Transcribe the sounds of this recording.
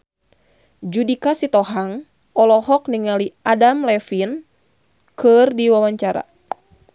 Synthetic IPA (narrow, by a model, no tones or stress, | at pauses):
d͡ʒudikasit̪ɔɦaŋ | ɔlɔɦɔk̚niŋaliʔadamlɛfin | kɨrdiwawaɲt͡ʃaɾa̰